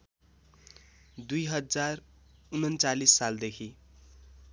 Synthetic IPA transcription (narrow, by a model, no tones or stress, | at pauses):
d̪ujɦʌd͡zar | unʌnt͡salisːald̪ekʰi